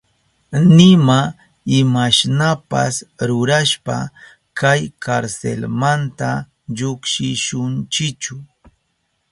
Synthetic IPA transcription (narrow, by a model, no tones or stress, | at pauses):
nɪma | ɪmaʃnapa̰sɾʊɾaʃpa̰ | kajkʰaɾsḛlmant̪a | ʎʊkʃɪʃʊnt͡ʃɪt͡ʃʊ